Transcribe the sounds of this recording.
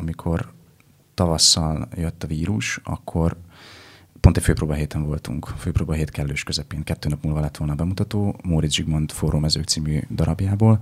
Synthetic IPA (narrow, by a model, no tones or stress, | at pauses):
ɒmikʰo̞r | t̪ɒvɒsːɒljøt̪ːɒviːɾuʃɒ̰kʰːo̞r | pont̪ɛcʲføːproːbɒɦeːt̪ɛɱvo̞lt̪ṵŋkføːprɾoːbɒɦeːt̪kɛlløːʃkøzɛpeːŋkɛt̪ːøːnɒpmuːlvɒlɛt̪ʋo̞lnɒbɛmut̪ɒt̪oːmoɾizd͡ʒiɡmont̪foːɾʔumːɛzøːkt̪siːmyːd̪ɒɾɒbjaːboːl